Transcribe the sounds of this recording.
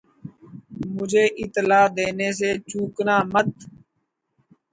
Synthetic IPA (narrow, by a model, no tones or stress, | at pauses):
mʊd͡ʒʱeːʔɪt̪laːd̪eːneːs̬eːt͡ʃuːknaːmət̪